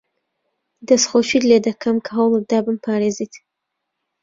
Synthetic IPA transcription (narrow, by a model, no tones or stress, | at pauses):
d̪asχoʃidled̪akʰamkʰaɦawləd̪ɑbampʰɑɾezit̪